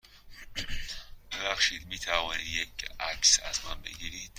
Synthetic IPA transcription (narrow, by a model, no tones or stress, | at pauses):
b̥ebæχʃiːd̪miːt̪ʰævɔnid̪jekæksæ̰zmæ̰nbḛɡiɾiːd̪̥